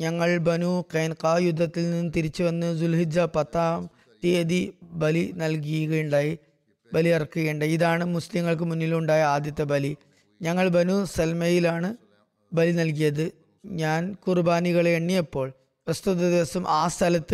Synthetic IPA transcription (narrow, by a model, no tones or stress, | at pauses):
ɲɐŋːɐɭbɐnuqeːnqaːjud̪ʱːɐt̪ːilninːɨt̪iɾit͡ɕːɨʋɐnːɨzulɦid͡ʑɐpɐt̪ːaːm | t̪eːðibɐlinɐlk̬ijuɣɐjuɳɖaːji | bɐliɐrɐkːuɣeːɳɖɐiðaːɳɨmuslimŋːɐɭk̬ɨmunːiluɳɖaːjɐaːd̪jɐt̪ːɐbɐli | ɲɐŋːɐɭbɐnuselmɐjilaːɳɨ | bɐlinɐlkijɐðɨ | ɲaːnkurubaːniɣɐɭeːɳːijɐpːo̞ːɭ | ʋɐst̪uðɐd̪iʋɐsɐmʔaːst̪ʰɐlɐt̪ːɨ